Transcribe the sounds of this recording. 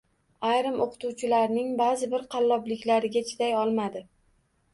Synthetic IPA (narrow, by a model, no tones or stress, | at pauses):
ajɾɪmʔoqʰɨ̥t̪ʰuwt͡ʃʰɪlaɾnɪŋbaːzɪbɪɾqʰɑlˠːɒblɪkʲlaɾɪɡʲat͡ʃʰɪd̪ajɒlˠmad̪ɪ